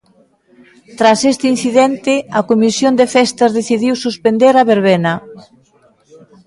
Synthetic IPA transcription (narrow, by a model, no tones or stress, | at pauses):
t̪ɾasest̪ɪin̟θiðɛnt̪ɪɐkomisjond̪efɛst̪ɐzðeθiðiwsuspend̪eɾɐβeɾβenɐ